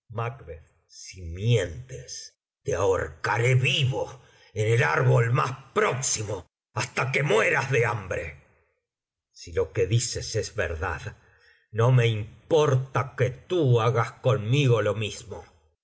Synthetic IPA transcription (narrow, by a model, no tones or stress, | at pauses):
makβeð | simje̞nt̪es | t̪eao̰ɾkaɾe̞βiβo | enelaɾβolma̰spɾoksimo | ast̪ake̞mwe̞ɾazðeambɾḛ | silo̞ke̞ðisesezβḛɾða̰ð | no̞me̞impo̞ɾt̪aket̪uaɣasko̞nmiɣolo̞mizmo